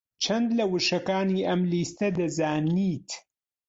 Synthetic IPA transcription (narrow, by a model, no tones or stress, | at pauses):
t͡ʃʰɐnd̪lɐwɨʃɐkaːniːʔɐmliːst̪ɐd̪ɐzaːniːt̪